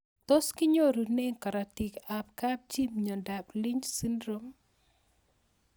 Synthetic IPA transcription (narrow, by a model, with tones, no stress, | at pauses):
to˦skɪ˦ɲo˦ɾu˨ne˦ŋka˨ɾa˨ti˨kap̚ka˦p̚d͡ʒi˦mɲɔ˨da˨pli˦ɲd͡ʒsi˦ndɾo˦m